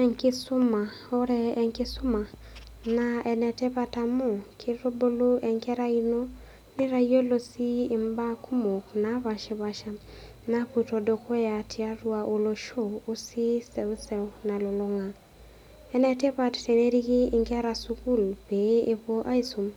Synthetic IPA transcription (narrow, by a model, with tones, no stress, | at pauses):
ɛ˨ŋkɪ˦su˦ma˨ | o˦ɾɛː˦˨ŋkɪ˦sʊ˦ma˨ | na˦ɛ˨nɛ˨tɛ˦pa˨ta˨mu˦kʰi˦ɾo˦bo˦lo˦ʔɛ˨ŋkɛ˦ɾa˦i˦no˦ | ni˦ɾa˦jo˦lo˨siː˦˨mba˦ku˦mo˨kna˨˦βa˨ʃi˨˦βa˨ʃa˦ | na˦pu˨to˨do˨kʰo˦ja˨tʰɪ˦a˦ɾu˦a˨ʔo˨lo˨ʃo˦˨o˦si˦sɛ˨wu˦sɛ˨wna˨lo˨lʊ˦ŋa˨ | ɛ˦nɛ˨tɛ˦pa˦tte˨ne˦ɾi˦kiː˦˨ŋkɛ˦ɾa˨su˦ku˦lpe˨˦e˨po˦ʔa˦i˦su˨m